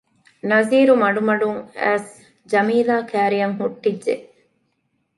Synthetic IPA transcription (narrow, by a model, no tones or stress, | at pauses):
nɐziːɾumɐɖumɐɖuŋæ̰ːs | d͡ʒɐmiːlaːkʰæːɾijɐŋɦuʈːidʒe